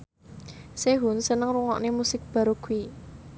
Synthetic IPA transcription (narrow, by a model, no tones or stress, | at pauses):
seɦunsənəŋruŋɔ̰ʔnemusɪk̚b̥a̤ɾoɡ̥ui